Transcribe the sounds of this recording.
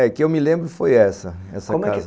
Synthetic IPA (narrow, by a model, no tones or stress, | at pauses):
ɛkɪewmɪlẽmbɾʊɪfojɛsɐɛ̰sɐomʊkɛaɪzɐ